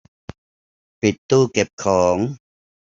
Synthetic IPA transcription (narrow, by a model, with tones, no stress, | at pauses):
pi˨˩t̪ːuː˥˩ke˨˩p̚kʰɔː˩˦ŋ